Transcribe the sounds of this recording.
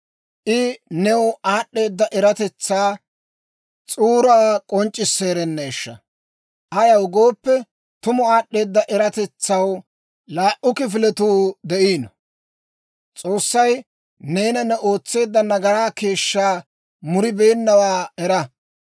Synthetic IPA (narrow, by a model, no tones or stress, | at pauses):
ʔɪnɛwaːɗːe̞ːd̪ːɐʔɛɾɐt̪ɛt͡sːaː | t͡sʼuːɾaːkʼɔnt͡ʃʼːɪsːe̞ːɾɛnːɛːʃːɐ | ʔɐjɐwɡo̞ːpːɛ | t̪ʊmʊaːɗːe̞ːd̪ːɐʔɛɾɐt̪ɛt͡sːɐw | laːʔʊkɪf̬ɪlɛt̪uːd̪ɛʔiːnɐ | t͡sʼo̞ːsːɐj | ne̞ːnɐnɛʔo̞ːt͡sːe̞ːd̪ːɐnɐɡɐɾaːke̞ːʃːaː | mʊɾɪbeːnːɐwaːɛɾɐ